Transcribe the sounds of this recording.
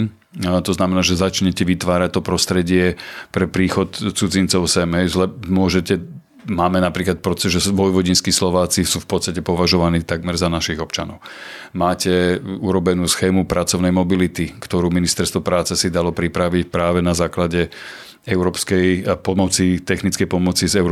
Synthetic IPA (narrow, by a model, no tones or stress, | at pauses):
t̪ɔznamɛnaːʒɛzat͡ʃɲɛcɛʋit̪ʋaːɾac̚t̪ɔpɾɔst̪ɾɛɟɪɛpɾɛpɾiːxɔt̪t͡sud͡zint͡sɔʊsɛmɦɛjzlɛmʊɔʒɛcɛ | maːmɛnapɾiːklat̪̚pɾɔɛʒɛsʋɔjʋɔɟinskislɔʋaːt͡sisuːfpɔt̪t͡st̪acɛpɔʋaʒɔʋaniːt̪aɡmɛɾzanaʃiɣɔpt͡ʃanɔ̰ʊ | maːcɛuɾɔbɛnuːsxɛːmupɾat͡sɔʊnɛjmɔbilit̪ikt̪ɔɾuːminist̪ɛɾst̪ʋɔpɾaːt͡sɛsid̪alɔpɾipɾaʋicpɾaːʋɛnazaːklaɟɛ | ɛʊɾɔːpskɛjpɔmɔt͡sit̪ɛxnit͡skɛjpɔmɔt͡sizɛʊɾ